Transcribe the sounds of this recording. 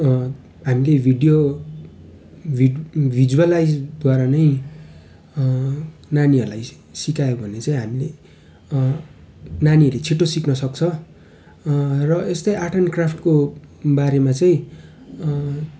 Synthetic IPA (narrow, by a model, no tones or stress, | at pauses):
ɦamilebʱiɽijo | ibʱid͡zualajd͡zɡ̪ʌɾanʌj | naniʌrlaj | sikajobʱʌnet͡saĩɦamile | naniʌrlet͡sʰiʈːosiknʌsʌk̚t͡sʰʌ | rʌest̪ʌjʔaʈʰʌnkrapʰʈkobaɾemat͡saĩ